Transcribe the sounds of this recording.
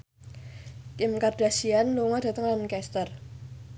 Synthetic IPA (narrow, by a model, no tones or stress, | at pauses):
kɪmkard̥asianluŋɔd̥a̤t̪əŋlankɛst̪ər